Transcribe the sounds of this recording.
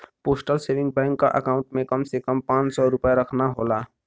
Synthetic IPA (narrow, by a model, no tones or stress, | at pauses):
poːsʈəlseʋɪ̃ŋɡ̚bɛ̃ːŋkːa̰ʔəkaːʊ̃ɳʈmẽkəmsekəmpãːt͡ʃsɔɾʊpjaɾəkʰnaɦola